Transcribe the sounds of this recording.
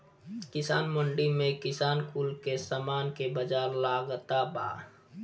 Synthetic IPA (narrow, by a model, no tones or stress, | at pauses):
kɪsaːnmə̃ɳɖimẽkɪsaːnkuːlkesaːmaːnkebəd͡ʒaːɾlaːɡt̪aba̰ː